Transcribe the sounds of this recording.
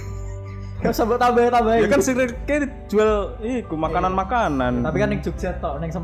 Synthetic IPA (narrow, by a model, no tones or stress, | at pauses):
ɡ̥asəbʊt̪abait̪abaid͡ʒakansiɾekedi̥d͡ʒ̥uɛlikumakananmakanant̪apikanːɪŋd͡ʒ̥uk̚sɛt̪ːɔʔnɪŋsə